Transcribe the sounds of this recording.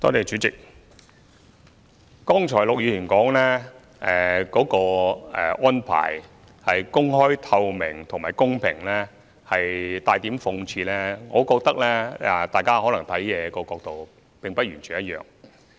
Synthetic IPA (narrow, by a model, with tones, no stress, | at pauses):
t̪ɔː˥t̪eː˨˩t͡ʃyː˨˥t͡sɪ˨k̚ | kɔː˥ŋt͡ʃʰɔː˨˩jlʊ˨k̚jyː˨˧˩jiː˨˩nkɔː˨˥ŋlɛː˥ | ɛ˨kɔː˨˥kɔː˧ɛ˨ʔɔː˥npʰa̰ː˨˩j | hɐ˨jkʊ˥ŋhɔː˥jt̪ʰɐ˧wmɪ˨˩ŋt̪ʰʊ˨˩ŋmaː˨˩jkʊ˥ŋpʰɪ˨˩ŋlɛː˥ | hɐ˨jt̪aː˨˧jt̪i˨˥mfʊ˧ŋt͡sʰiː˧lɛː˥ŋɔː˨˧kɔː˧k̚t̪ɐ˥k̚lɛː˥ɛ˨˧t̪aː˨jkaː˥hɔː˨˥lɐ˨˩ŋt̪ʰɐ˨˥jjɛː˨˧kɔː˧kɔː˧k̚t̪o˨w | pɪ˨ŋpɐ˥t̚jyː˨˩nt͡ʃʰyː˨njɐ˥t̚jœ̰ː˨˩ŋ